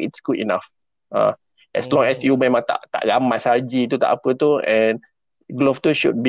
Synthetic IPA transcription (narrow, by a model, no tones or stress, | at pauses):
itsɡ̥udḭnaf | ã̰ | ʔɛ̰slɔ̃ŋɛsjumɛ̃mãŋt̪a̰ʔt̪a̰ʔɡamasad͡ʒit̪ut̪a̰ʔapət̪uɛ̃n | ɡloft̪uʃud̚bi